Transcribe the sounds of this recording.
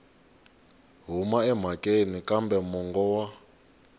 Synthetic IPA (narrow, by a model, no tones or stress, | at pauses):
ɦumaɛm̤akʼenikʼambɛmɔŋɡɔwa